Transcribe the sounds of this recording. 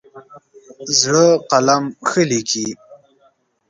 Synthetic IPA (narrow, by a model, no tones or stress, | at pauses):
zɻəqalamxəlikʰi